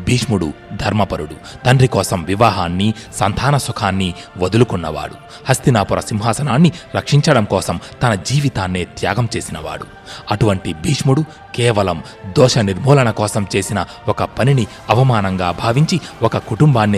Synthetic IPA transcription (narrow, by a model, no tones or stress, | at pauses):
bʱiːʂmuɽṵd̪ʱɐɾmɐpɐɾuɽu | t̪ɐnɖrɾikɔːsɐmʋiʋaːɦaːnːisɐnt̪ʰaːnɐsukʰaːnːiʋod̪ulukunːɐʋa̰ːɽu | hɐst̪inaːpuɾɐsimɦaːsɐnaːnːilɐkʂiɲt͡ʃɐɽɐmkɔːsɐmt̪ɐnɐd͡ʒiːʋit̪aːnːeːt̪ja̰ːɡɐmt͡ʃe̞ːsinɐʋa̰ːɽṵ | ɐʈuʋɐɳʈibʱiːʂmuɽu | kɛːʋɐlɐm | d̪ɔːʂɐniɾmɔːlɐɳɐkɔːsɐmt͡ʃe̞ːsinɐ | ɔkɐpɐnini | ɐʋɐmaːnɐŋɡaːbʱaːʋiɲt͡ʃiɔkɐkuʈumbaːnːi